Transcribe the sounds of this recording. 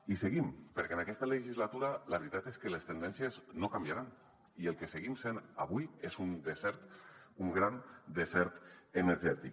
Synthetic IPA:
iseɣimpəɾkenakɛst̪əleʒizlat̪uɾaləβɾit̪at̪eskəlest̪end̪ɛnsjəznokambjaɾan | ielˠkeseɣimsena̰β̞ujezund̪esɛɾt̪ | uŋɡɾand̪ezɛɾt̪eneɾʒɛt̪ik

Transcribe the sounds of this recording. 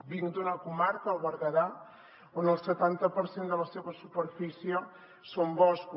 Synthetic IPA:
biŋd̪unɐkumaɾkɐaβɐɾɣɐða | ond̪elˠset̪ant̪ɐpoɾsend̪əlɐseβɐsupeɾfisjɐ | sombɔsku

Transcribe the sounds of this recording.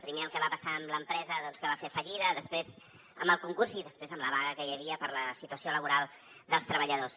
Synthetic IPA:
pɾimeəlˠkəβapəsaəmləmpɾɛzəðɔnskəβafefəʎiðəðəspɾez | əmbəlˠkuŋkuɾziðəspɾezəmləβaɣəkəjəβiəpəɾləsit̪uəsioləβuɾalˠ | d̪əlˠst̪ɾəβəʎəðos

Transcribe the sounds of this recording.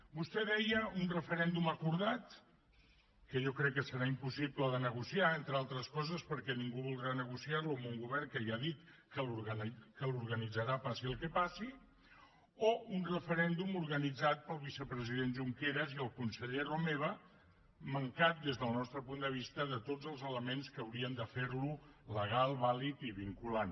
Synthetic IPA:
bust̪ɛðɛjəunrəfəɾɛnd̪uməkuɾðat̪ | kəʒɔkɾɛkːəsəɾaimpusipləðənəɣ̞usiaent̪ɾəalˠt̪ɾəskɔzəspəɾkɛniŋɡuβulˠd̪ɾanəɣ̞usiaɾluəmuŋɡuβɛrŋkəaðit̪kəluɾɣkəlˠuɾɣənid͡zəɾapasiəlˠkɛpasi | ounrəfəɾɛnd̪umuɾɣənid͡zat̪̚pəlˠβisəpɾəziðenʒuŋkeɾəziəlˠkunsəʎeromeβ̞ə | məŋkat̪̚d̪ezðəlˠnɔst̪ɾəpund̪əβ̞ist̪əðət̪od͡zəlˠzələmenskəːwɾiənd̪əfeɾluləɣalˠβalit̪iβiŋkulan

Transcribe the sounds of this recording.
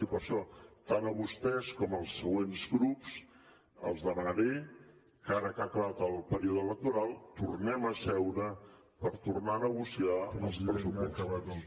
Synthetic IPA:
ipəɾʃɔt̪anəβust̪ɛskɔməlˠsəɣwenzɣɾups | ə̰lˠzðəmənəɾe | kaɾəkakəβat̪əlˠpəɾiuðələk̚t̪uɾalˠt̪urnɛməsɛwɾə | pəɾt̪urnanəɣusiaəlˠspɾəsuɔəəβa

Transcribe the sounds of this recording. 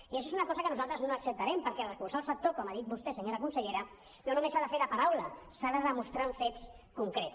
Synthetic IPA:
ieʃɔezunakɔzəkənuzalˠt̪ɾəznoəksəp̚t̪aɾɛmpəɾkɛrəkulsalˠsək̚t̪okɔmaðit̪̚bust̪esəɲoɾakunsəʎeɾə | nonumesaðəfeɾðəpaɾawləsaðəðəmust̪ɾaɱfets | kuŋkɾes

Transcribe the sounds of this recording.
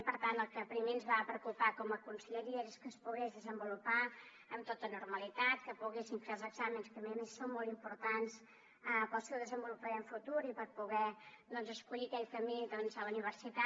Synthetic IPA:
pəɾt̪ant̪əlˠkəpɾimeənzβapɾəkupakɔməkunsəʎəɾieɾskəspuɣezðəzəmbulupa | əmt̪ot̪ənurməlit̪at̪̚kəpuɣesiɱfelˠzəɡzamənskəmezəmessonmɔlˠt̪impuɾt̪ans | əpəlsɛwðəzəmbulupaɾəɱfut̪uɾipəɾpuɣɛðɔnzəskuʎikɛʎkəmild̪ɔnzəluniβ̞əɾsit̪a

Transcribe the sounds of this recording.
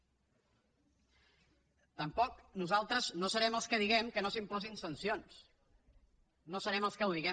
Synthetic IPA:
t̪əmpɔknuzalˠt̪ɾəznosəɾɛməlˠskəðiɣɛmkənosimpɔzinsənsions | nosəɾɛməlˠskəwðiɣɛ

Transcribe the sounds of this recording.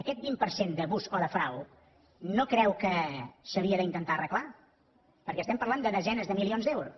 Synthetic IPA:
əkɛt̪̚bimpəɾsend̪əβuzɔðəfɾaw | nokɾɛwkəsəβiəðəint̪ənt̪arəkla | pəɾkɛst̪ɛmpəɾlˠand̪əðəzɛnəzðəmilionzðɛwɾu

